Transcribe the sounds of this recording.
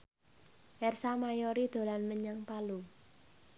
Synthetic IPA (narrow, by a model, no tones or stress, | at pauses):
ʔɛrsamajɔɾid̪̥o̤lanməɲaŋpalu